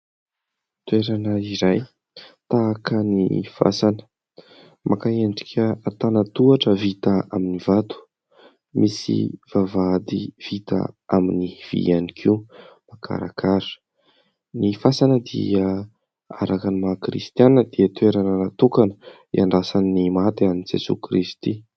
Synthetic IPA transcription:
t̪weɾanəiɾaj | t̪aːkənifa̰sanə̥ | mʔakaeɳɖ͡ʐi̥kʲʰəat̪anət̪uaʈ͡ʂəvit̪aaminivat̪u̥ | mʔisḭv̥avad̪iv̥it̪a̰ʔaminiv̥ḭanikʰiumakʰa̰ɾa̰kʰaɾə̥ | nifasanəd̪ḭə | a̰ɾakanimakɾḭst̪janəd̪̥iət̪weɾananat̪ukanə | iaɳɖ͡ʐasannimat̪ianiid͡ʒesṵkɾist̪i

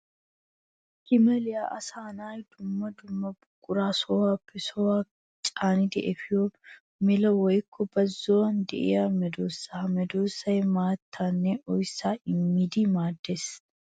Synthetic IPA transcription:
kɪmɛlɪjaʔɐsaːnaːjd̪̥ʊmːɐd̪ʊmːɐbʊkʼːʊɾaːsɔwaːpʰːɛsɔwaː | t͡ʃʼaːnɪd̪ɪʔɛfɪjo | mɪlɐwɔjkʰːɔbɐzːɔwɐnd̪ɛ̰ʔɪ̰jaːmɛd̪oːsːɐɐmɛd̪oːsːɐjmaːt̪ʰːaːnːɛʔɔjsːaːʔɪmːɪd̪ɪmaːd̪ːes

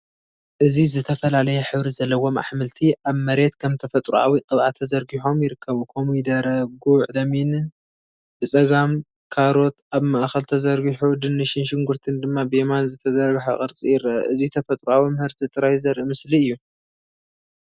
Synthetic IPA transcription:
ʔɨzizɨt̪ʰɐfɐlalɐjɛħɨβɾizɐlːɐwo̞ma̰ħmɨlt̪ʰiʔaβmɐɾe̞t̪kʰɐmt̪ʰɐfɐt̪ʼɾuʔa̰wiqʼɨβʕat̪ʰːɐzɐɾɡiħo̞mjɪɾɨkʰːɐβukʰomid̪ɐɾɐɡuʕd̪ɐminɨn | bɨsʼɐɡam | kʰaɾo̞t̪aβmɐʔaxɐlt̪ʰɐzɐɾɡiħud̪ɨnːɨʃɪnʃɪŋɡuɾt̪ʰɨnd̪ɨmːabɨemanzɨt̪ʰɐzɐɾɡħaχʼɐɾt͡sʼijɪɾɐ̰ʔɨzit̪ʰɐfɐt̪ʼɾuawimɨhɨɾt̪ʰit̪ʼɨɾajzɐɾʔimɨsliɨjːu

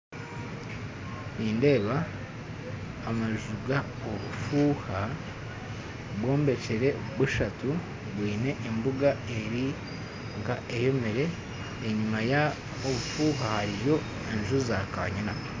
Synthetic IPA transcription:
iːnde̞ːβa | maʒuɡa | oβufuha | βwo̞ːmbe̞t͡ʃeɾe̞βuʃatu | βwiːne̞ʔembuɡae̞ɾi | ŋɡaʔejo̞meɾe̞ː | ɲumaja | oβufuːɦahaɾiβjo̞ | eɲʒuzaka̰ɲina

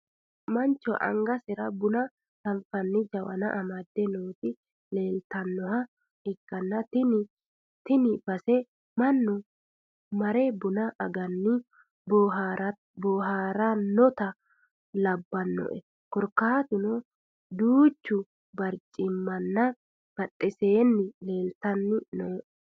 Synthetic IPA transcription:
mɐnt͡ʃːɔʔɐ̰ŋɡɐsɪɾɐbʊnɐ | t̪ɐnfɐnːɪd͡ʒɐwɐ̰nɐ̰ʔɐmɐd̪ːɛnoːt̪ɪ | le̞ːlt̪ɐnːɔhɐ | ɪkːɐnːɐt̪ɪnɪ | t̪ɪnɪb̥ɐsɛ | mɐnːʊ | mɐɾɛbʊnɐʔɐɡɐnːɪ | b | bɔːɦaːɾanɔt̪ɐ | lɐbːɐnːɔ̰ʔɛ | kɔɾkaːt̪ʊnɔ | d̪uːt͡ʃːʊ | bɐɾt͡ʃʼːɪmːɐnːɐ | b̥ɐtʼːɛse̞ːnːɪle̞ːlt̪ɐnːɪnɔ

